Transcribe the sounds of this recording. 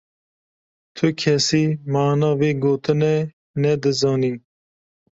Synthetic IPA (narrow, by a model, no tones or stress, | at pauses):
t̪ʰʊkʰɛsiːmɑːnɑːweːɡoːt̪ɨnɛ | nɛd̪ɨzɑːniː